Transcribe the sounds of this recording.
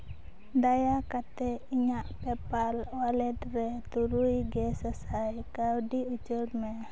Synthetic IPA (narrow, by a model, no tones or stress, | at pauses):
dajakat̪ɛiɲaʔpɛpalwalɛd̪rɛt̪uɾuiɡɛsəsajkaudiut͡ʃurmɛ